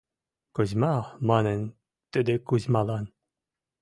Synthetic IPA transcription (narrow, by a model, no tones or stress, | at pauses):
kuzʲmɑmɑnə̆n | t̪ɘd̪ɘkuzʲmɑlˠɑn